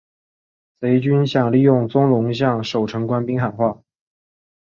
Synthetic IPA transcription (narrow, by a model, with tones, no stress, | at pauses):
se˧˥ɪt͡ɕy˥nɕjɑ˨˩ŋli˥˧jʊ˥˩ŋt͡sʊ˥ŋlʊ˧˥ŋɕ̬jɑ˥˩ŋʂo˨˩ʊʈ͡ʂʰɤ˧˥ŋkwa˥npi˥ŋxa˨˩nxwa˥˩